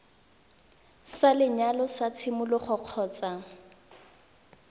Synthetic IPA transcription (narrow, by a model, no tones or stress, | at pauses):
salɪɲalɔsat͡sʰɪmʊlɔχɔq͡χʰɔːt͡sa